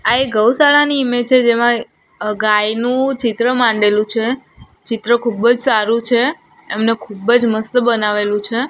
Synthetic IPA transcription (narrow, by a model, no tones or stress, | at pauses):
aeɡəwsaɭaniːmet͡ʃʰed͡ʒemã | ɡajnũt͡ʃɪt̪ɾəmãɳɖelũt͡ʃʰe | t͡ʃɪt̪ɾəkʰubəd͡ʒsaɾũt͡ʃʰeː | mnekʰubəd͡ʒməst̪əbənaʋelũt͡ʃʰe